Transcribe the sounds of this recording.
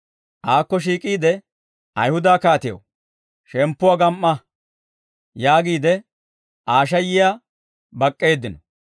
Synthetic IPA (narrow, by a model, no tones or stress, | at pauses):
ʔaːkːɔʃ̬iːkʼiːd̪ɛ | ɐjhʊd̪aːkaːt̪ɪjo̰ | ʃɛmpːʊwaɡɐmʔːɐ | jaːɡiːd̪ɛ | ʔaːʃ̬ɐjɪjaː | bɐkʼːe̞ːd̪ɪnɔ